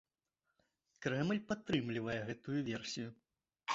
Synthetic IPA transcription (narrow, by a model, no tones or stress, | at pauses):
kɾɛmlʲpat̪ːɾɨmlʲivɐjɛɣɛt̪ujuvʲɛrsʲiju